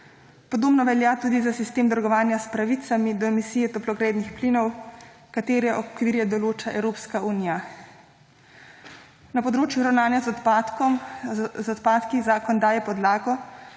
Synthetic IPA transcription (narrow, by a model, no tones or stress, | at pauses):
pɔd̪oːbnɔʋɛljaːt̪uːd̪izasist̪eːmd̪əɾɡɔʋaːnjaspɾaʋit̪samid̪ɔɛmisiːjɛt̪ɔplɔɡɾeːd̪nixplinɔw | kat̪eːɾɛʔɔkʋiːɾjɛd̪ɔloːt͡ʃaɛwɾoːpskauːnija | napɔd̪ɾoːt͡ʃjuɾawnaːnjaz | zɔt̪paːt̪kizaːkɔnd̪aːjɛpɔd̪laːɡɔ